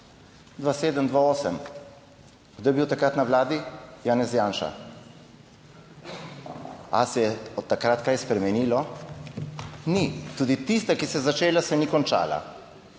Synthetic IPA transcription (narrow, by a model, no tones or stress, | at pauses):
d̪ʋaseːd̪əmd̪ʋaoːsəm | ɡ̥d̪oːjebiwt̪akɾat̪naʋlaːd̪ijaːnɛzjaːnʃa̰ | a̰sɛjɛɔt̪ːakɾat̪kaːjɛspɾɛmɛniːlɔ | nit̪uːd̪it̪ist̪akisɛjzat͡ʃeːlasɛnikɔnt͡ʃa̰ːla̰